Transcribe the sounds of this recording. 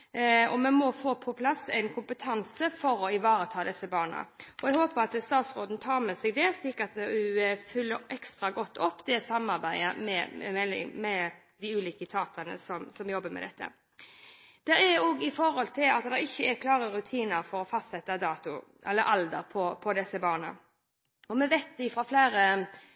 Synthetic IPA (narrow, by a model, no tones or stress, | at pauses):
ɔmɛnmɔfoːpʰɔpʰlɑsɛɪnkʰʊmpət̪ʰɑnsəfɔɾɔɪʋɑːɾət̪ʰɑːd̪ɛsːəbɑːʁɳə̰ʔɔɛɡhoːpəɾɑt̪st̪ɑːt̪sɾoːd̪n̩t̪ʰɑːɾmɛsɛɡd̪ɛsliːkəɾɑt̪̚d̪ɛʉfʏlːəɾɛkst̪ɾɑɡɔt̪ːɔpːd̪ɛsɑmɑɾbæɪəmɛɛlɪ̰mɛ | d̪ɪʉːliːkət̪ʰɑːt̪ənə̰sɔmsɔmjɔbːəmɛ̰d̪ɛt̪ːə̰ | d̪̥ɛɾɛɾɔɡɪfɔɾhɔlt̪ʰɪlɑt̪d̪ɛʁɪçːəɛɾkʰlɑːɾəɾʉt̪ʰiːnəɾfɔɾɔfɑst̪sɛt̪ːəd̪ɑːt̪ʊ | ɛ̰lːəɾʔɑld̪ə̰ɾpʰɔpʰɔd̪ɛsəbɑːʁnə̰ | ɔmɛʋɛt̪d̪ɪfɾɑflæːɾə